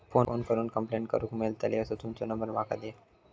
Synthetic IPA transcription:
fooːnkəɾuːnkəmpleɳʈkə̰ɾuːkmelt̪aleʋəsot̪umt͡ɕonəmbəɾmakʰa̰d̪e

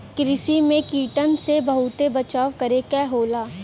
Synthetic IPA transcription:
kɾɪsimẽkiːʈənsebɐɦʊt̪ebɐt͡ʃaːwkɐɾekɛɦoːlaː

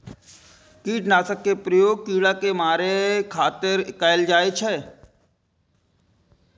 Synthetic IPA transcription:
kiːʈnaːsəkːepɾəjoːɡ̚kiːɽakemaːɾekʰaːt̪ɪɾkaɪld͡ʒaːet͡ʃʰɛ

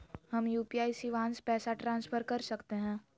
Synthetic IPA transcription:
hɐmjuːpiaːisiʋãːnspɛːsaʈɾãːnsfʰəɾkɐɾsɐkt̪eɦɛ̃ː

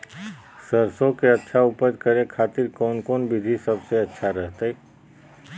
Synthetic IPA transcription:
səɾsõkeɐtːʃʰauːpəɾkəɾẽkʰaːt̪ɪɾkɔːnkɔːnbʱɪd̪ʱisɐbseɐtːʃʰaɾɛɦt̪eɛ

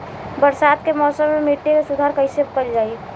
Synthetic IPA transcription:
bəɾsaːd̪kemɔːsəmːemiʈːekesud̪ʱaːɾkəɪsebkəld͡ʒaːi

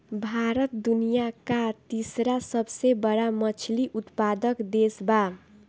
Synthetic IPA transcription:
bʱaɾʌt̪̚d̪unijakat̪isɾasʌbsebʌɾamʌt͡sʰliʔut̪pad̪ʌkd̪esba

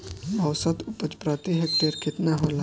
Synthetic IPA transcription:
ɐwsət̪upət͡ʃpɾat̪iɦek̚t̪eɾkʰet̪naɦola

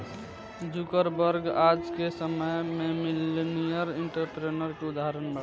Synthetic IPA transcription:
d͡ʒʊkəɾbəɾɡaːd͡ʒkesəməjmẽmɪlenijəɾɪɳʈəɾʈɾenəɾkeʊd̪aɦɾənbə

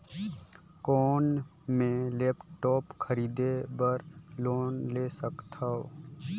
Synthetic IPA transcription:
kɔːn | mẽleːpʈɔːpkʰəɾiːd̪ebəɾloːnleːsəkt̪ʰao

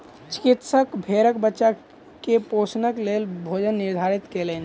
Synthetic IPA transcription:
t͡ʃɪ̥kit̪səkbʱeːɾəkbətːʃa | kepoːsnəklelbʱoːd͡ʒənːɪɾd̪ʱaːɾit̪keleːn

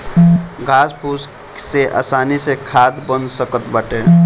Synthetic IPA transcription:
ɡʱaːspuːs | seʔa̰ːsaːnisekʰaːd̪bənsəkət̪bəʈeː

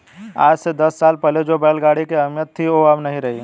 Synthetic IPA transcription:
aːd͡ʒsed̪ɐsːaːlpɛled͡ʒoːbɛːlɡaːɽikeɐmjət̪ʰːioabnɐɦĩɾɐɦi

